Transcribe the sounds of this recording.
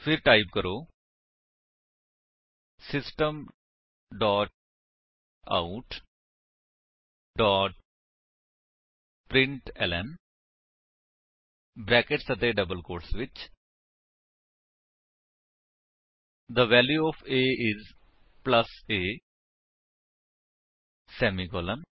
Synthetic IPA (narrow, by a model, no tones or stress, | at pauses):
pʰɪɾʈaːɪb̚kəɾoː | sɪsʈəm | ɖɔːʈ̚ | a̰uʈ | ɖɔːʈ | pɾɪ̃ɳʈɛlɛn | bɾɛːkeʈsət̪eːɖəbəlkoːɾʈsʋɪt͡ʃ | d̪əʋɛːljuɔːfʰeːʔɪz | pləseː | sɛːmiɡoːlən